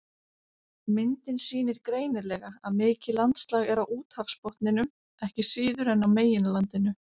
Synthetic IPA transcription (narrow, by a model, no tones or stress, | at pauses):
mɪnt̪ɪnsiːnɪɾ̥kɾeːjnɪɾlɛɣaaðmɪːcɪlant̪st̪laːɣɛɾawuːt̪hafspɔht̪nɪnʏm | ɛhcɪsiːðʏɾɛnːawmeːjɪnlant̪ɪnʏ